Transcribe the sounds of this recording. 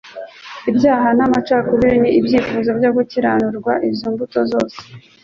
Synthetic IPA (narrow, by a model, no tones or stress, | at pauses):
ibjaːɦanamat͡ʃakuβiɾiniibjiːfuzobjo̞ɡuciɾanuɾɡwaʔibzoːmbuto̞zo̞ːse̥